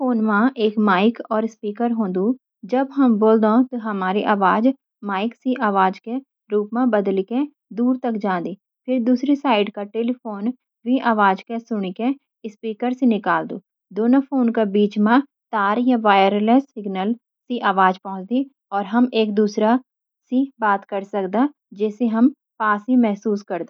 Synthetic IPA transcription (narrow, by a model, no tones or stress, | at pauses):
pʰoːnmãːʔeːkmaːɪkɔːɾɪspiːkəɾɦõːnd̪uː | d͡ʒəbɦəmboːld̪õːt̪aɦəmaːɾiʔaːʋaːd͡ʒ | maːɪksiːʔaːʋaːd͡ʒke | ɾuːpmãːbəd̪likẽ | d̪uːɾt̪əkd͡ʒãːnd̪iː | pʰɪɾd̪uːsɾisaːɪɖkaːʈeːliːpʰoːn | ʋĩːʔaːʋaːd͡ʒkesʊɳ̃ike | ɪspiːkəɾsenɪkaːld̪o̰ː | d̪oːnopʰoːnkabiːt͡ʃmã | t̪aːɾjaʋaːjəɾlesɪɡnəl | siʔaːʋaːd͡ʒpɐ̃ɦʊ̃t͡ʃd̪i | ɔːɾɦɐmeːkd̪uːsɾa | sibaːt̪kɐɾsɐkd̪a | d͡ʒɛːseɦɐm | paːsimɛɦsuːskɐɾd̪oː